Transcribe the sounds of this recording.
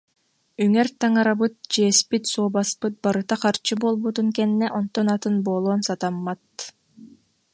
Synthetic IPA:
yŋɛɾt̪aŋaɾabɯt̪̚d͡ʑiɛspit̪suːbaspɯt̪̚baɾɯt̪aχaɾt͡ʃɯboːlˠbut̪uŋkɛnːɛʔɔnt̪ɔnat̪ɯnboːlˠoːnsat̪amːat̪̚

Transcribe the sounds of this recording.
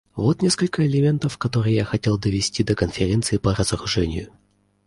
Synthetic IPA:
vo̞t̪nʲe̞skəlʲkəɪlʲɪmʲe̞nt̪əfkɐt̪o̞ɾɨjjaxɐtʲe̞lˠd̪əvʲɪsʲtʲid̪əkənfʲɪɾʲe̞nt̪sɨɪpəɾəzəɾʊʐɛnʲɪ̰jʊ

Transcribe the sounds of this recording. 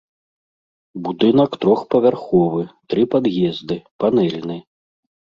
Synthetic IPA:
bud̪ɨn̪ɐkt̪ɾɔxpɐvʲarxɔvɨt̪ɾɨpad̪jʲɛzd̪ɨpanɛlʲnɨ

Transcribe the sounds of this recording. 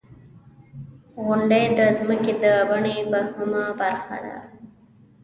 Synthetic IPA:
ɣʊɳɖejd̪əzməked̪əbaɳebahʊmabaɾxa̰d̪a̰

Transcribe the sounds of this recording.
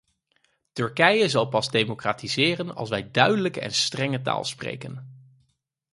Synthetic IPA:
tɵɹkɛjəzɑlˠpɑzdejmokraːtizɪːrənɑ̰lˠsʋɛjdœɥdələkəɛ̰nstrɛŋəta̰ːlˠsprḛjkən

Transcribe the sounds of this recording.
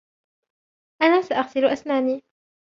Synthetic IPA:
ʔanaːsaʔaɣsɪlʔasmaːniː

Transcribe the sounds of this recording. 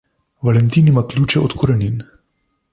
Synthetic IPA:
valɛnt̪iːnimaklʲuːt͡ʃɛot̪kʰoɾɛnʲin

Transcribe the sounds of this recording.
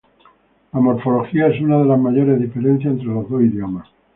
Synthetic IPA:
lamo̞ɾfo̞lo̞xiae̞sunað̞e̞lazmaʝo̞ɾe̞zðife̞ɾe̞n̟θjaent̪ɾelozðosiðjo̞mas

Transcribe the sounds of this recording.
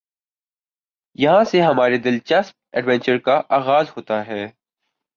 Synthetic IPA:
jɐɦãseɦɐmaːɾed̪ɪlt͡ʃɐsp̚ɛɖʋɛ̃nt͡ʃəɾkaʔaːɣaːzɦoːt̪aɦɛː

